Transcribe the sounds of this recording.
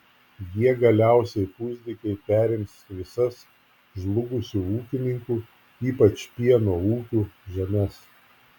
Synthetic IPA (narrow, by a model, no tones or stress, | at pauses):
jiɛɡɐlʲæˑʊsʲɛɪpʊzʲd̪ʲɪkʲɛɪpʲæːɾʲɪmsʋʲɪsɐs | ʒlˠʊɡʊsʲuːuːkʲɪnʲɪŋkuː | iːpɐt͡ʃpʲiɛnoːuːkʲuːʒʲɛmʲɛs